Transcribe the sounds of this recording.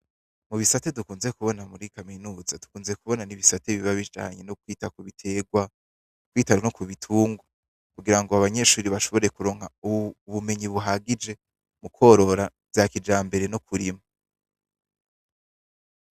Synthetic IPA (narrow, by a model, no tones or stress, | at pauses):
muβisatedukuːnzekuβo̞namuɾikaminuːzadu̥kuːnze̞kuβo̞naniβisateβiβaβid͡ʒa̰ːɲe̞nokwiːtakuβitʰeɡwa | kwiːtaonokuβitʰuːŋɡwa | kuɡiɾaŋɡoaβaɲe̞ʃuːɾiβaʃo̞βo̞ɾe̞kuɾo̞ːŋ̥hauβume̞ɲiβuɦaɡid͡ʒe̞ | mukʰo̞ɾo̞ɾa | vjakid͡ʒaːmbe̞ɾe̞nokʰuɾimo